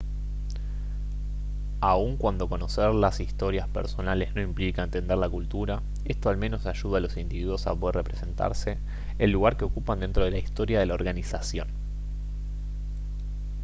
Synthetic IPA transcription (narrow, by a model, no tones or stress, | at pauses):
auŋkwand̪o̞ko̞no̞seɾlasist̪o̞ɾjaspeɾso̞nale̞zno̞implikaent̪e̞nd̪elakult̪uɾa | e̞st̪o̞almẽ̞no̞saʒuðalo̞sind̪iβiðwo̞sa̰poðerepɾese̞nt̪a̰ɾse̞ː | lːuɣ̞aɾke̞o̞kupand̪e̞nt̪ɾo̞ð̞elaist̪o̞ɾjað̞e̞lao̞ɾɣanisasjo̞̰n